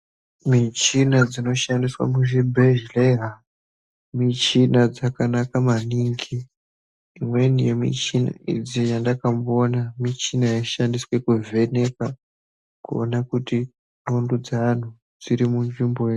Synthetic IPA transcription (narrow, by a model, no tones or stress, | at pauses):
mit͡ʃinad͡zino̞ʃandiswa̰muʒibʱeʒleɦa | mit͡ʃinad͡zakanakamaniŋɡiː | mwe̞nijemḭt͡ʃina̰ḭd͡zijandakamonamit͡ʃinajaʃandiswe̞kuve̞ne̞ka | kuonakuti | nondud͡zan̤u | d͡ziɾimund͡ʒimboe